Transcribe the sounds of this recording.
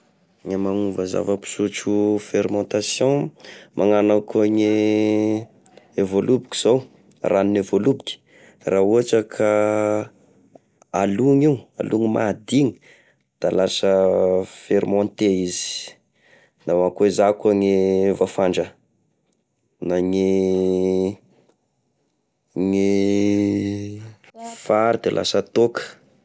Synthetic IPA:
ŋamaŋuvəza̰vəpi̥sut͡ʃufeɾmɔ̃nt̪asjɔ̃mʔaŋanakaŋe | evolubiki̥z̥ow | raninevolubikʲi̥ | raɦuaʈ͡ʂəkʰa | aluŋiua̰lʔuŋima̰d̪iŋi̥ | d̪̥alasəfeɾimɔ̃nt̪eizi̥ | nawakezakaŋevafaɳɖ͡ʐə | naŋi | ŋe | faɾd̪elʔa̰sət̪okə̥

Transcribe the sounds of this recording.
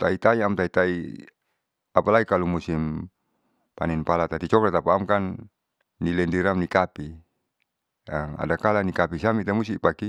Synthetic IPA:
t̪ait̪aiamt̪ait̪ai | apalaikalumusim | pa̰ninpalat̪at̪it͡ʃɔklat̪apaːmkanː | ilɛndiɾamnikapi | ama̰dakalanikapisamit̪amusipaki

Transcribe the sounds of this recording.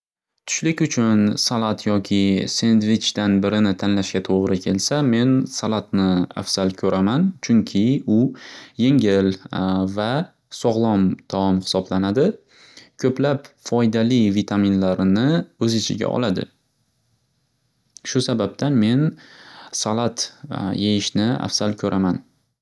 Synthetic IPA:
t̪ʰʊ̥ʃlɪkʲʊt͡ʃʰʊnsalˠat̪ʰjɒkʲʰɪse̞nd̪vɪt͡ʃd̪anbɪɾɪnɪt̪ʰanlaʃɡʲat̪ʰoʁɾɪkʲʰe̞lsame̞nsalˠat̪nɪa̰fz̥alkʲʰɵɾʔamant͡ʃʰʊŋkʲʰɪʊje̞ŋɪlva | sɒʁlˠɒmt̪ʰaɒmhɪ̥sɒblanad̪ɪ | kʲʰɵplapfɒjd̪alivit̪ʰaminlaɾnɪɵzɪt͡ʃʰɪ̰ɡʲa̰ʔɒ̰lad̪ɪ̰ | ʃʊsabab̚t̪ʰanme̞n | salˠat̪jejɪʃnɪa̰fsalkʲʰɵɾʔaman

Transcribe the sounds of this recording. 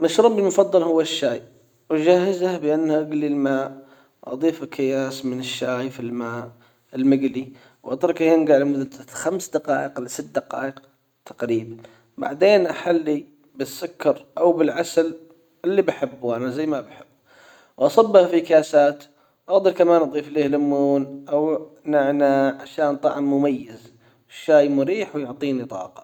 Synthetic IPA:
maʃɾuːmbɪlmʊfɑðˤːɑlhʊwːaʃːaːj | wd͡ʒahɪzahbɪʔanːhaʔaɡlilmaːʔ | wʔɑ̰d̪ˤiːfɪkʰːɪjaːsmɪnɪʃːaːjfilmaːʔ | ɪlmɪɡli | wʔɑt̪ˤɾˤɑkahɪnɡaʕlɪmʊðaxamsd̪aqɑːʔɪqlɪsɪt̪̚ːd̪aqɑːʔɪq̚ | t̪ʰḁqɾiːban | ba̰ʕd̪eːnʔaħalːi | bɪsːʊkːɑɾˤʔawbɪlʕasal | ɪlːibaħɪbːuʔanazajːmabaħɪbː | wʔɑsˤɑbːɑhfikaːsaːt̪ | wʔaɣd̪ɑɾˤkamaːnʔɑd̪ˤiːfliːhlʊmːuːnʔawnaʕnaʕaʃaːnt̪ˤɑʕmːʊmajːɪz | ʃaːjmʊɾiːħwjʊʕt̪ˤiːnit̪ˤɑ̰ːqɑ̥

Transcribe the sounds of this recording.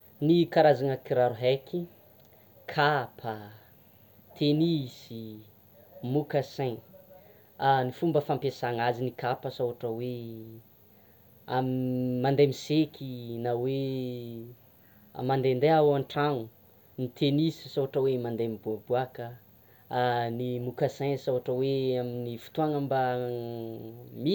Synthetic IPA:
nikaɾazaŋəkiɾaɾuɦekʰi | kʰapʰə | t̪ʰenisi | mukasen | anifumbəfampesaŋazinikapəsoɦaʈ͡ʂəwe | amimand̪emisekʰinawe | mand̪end̪eawaɳʈ͡ʂaŋu | nit̪ʰenisi̥soaʈ͡ʂəwemand̪emibuabuakə | nimukasãjsawaʈ͡ʂəweaminifu̥t̪uaŋəmba | mi

